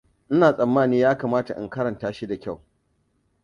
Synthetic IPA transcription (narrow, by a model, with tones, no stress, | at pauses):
ʔɪ˦naː˨sʼɐ˨mːaː˦niː˦jaː˦kaː˨maː˦ta˨ʔɪ̰˨ŋkɐ˦ɾɐ˨ntaː˦ʃi˦da˨kʲa˦˨w